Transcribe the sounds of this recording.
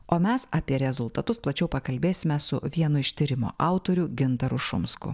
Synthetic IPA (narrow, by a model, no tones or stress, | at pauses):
oːmʲɛsɐːpʲiɛɾʲɛzʊlˠt̪ɐt̪ʊsplˠɐt͡ʃʲɛʊpɐkɐlʲbʲeːsʲɪmʲɛsʊʋʲiɛnʊɪʃʲt̪ʲɪɾʲɪmo̰ːʔɑʊt̪oːɾʲʊɡʲɪnt̪ɐɾʊʃʊ̰mskʊ̰